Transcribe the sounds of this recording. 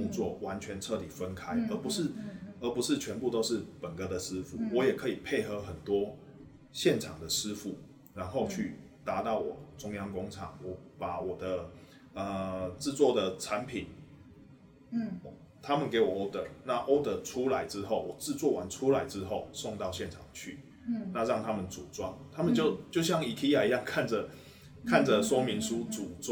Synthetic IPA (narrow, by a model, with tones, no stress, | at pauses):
i˥˧ŋt͡swɔ˥˩wa˧˥nt͡ɕʰɥɛ˧˦˥nʈ͡ʂʰɤ˥˩t̪i˨˩fə˦˥nkʰa˥ɪə˧˥pu˧˥ʂɻ̩˥˨ə˧˥pu˧˥ʂɻ̩˥˩t͡ɕʰɥɛ˧˥npu˥˧t̪o˥ʊʂɻ̩˥˩pə˨˩nkə˧˩d̪ə˨s̩˥fṵ˨˦wɔ˧˦jɛ˨˩kʰɤ˧˥i˨˩pʰe˥˩ɪxɤ˧˥xə˨˩nt̪wɔ˥ | ɕjɛ˥˨nʈ͡ʂʰɑ˨˩ŋd̪ə˨ʂɻ̩˥fu˨˩ | ɻa˧˥nxo˥˧ʊt͡ɕʰy˥˩ | t̪a˧˥t̪ɑ˥˩ʊwɔ˨˩ʈ͡ʂʊ˥ŋjɑ˥ŋkʊ˥ŋʈ͡ʂʰɑ̰˨˩ŋwɔ˧˩pa˨˩wɔ˨˩d̪ə˦ | ə˨˩ʈ͡ʂɻ̩˥˧t͡swɔ˥˩d̪ə˨˩ʈ͡ʂʰa˧˦npʰi˨˩n | t̪ʰa˥mə˨nke˧˥ɪwɔ˨˩o˥t̪ə˨˩˦na˥˨ʔo˥ʊt̪ə˨˦ʈ͡ʂʰu˦˥la˧˦ɪʈ͡ʂɻ̩˦˥xo˥˩ʊwɔ˨˩t͡sɹ̩˥˧t͡swɔ˥˩wa˨˦nʈ͡ʂʰu˥˦la˧˦ɪʈ͡ʂɻ̩˥xo˥˩ʊsɔ˥˧ŋt̪ɑ˥˧ʊɕjɛ˥˨nʈ͡ʂʰɑ̰˨˩ŋt͡ɕʰy˥˩ | na˥˧ɻɑ˥˩ŋt̪ʰa˦˥mə˨nt͡su˨˩t͡swa̰˥˩ŋt̪ʰa˥mə˨nt͡ɕjo˥˧ʊt͡ɕjo˥˧ʊɕjɑ˥˩ŋi˨˩kʰi˥ja˨i˨˧˥jɑ˥˧ŋkʰa˥˨nd͡zə˩ | kʰa˥˨nd͡zə˨swɔ˥mi˨˥nsu˦t͡su˨˩t͡s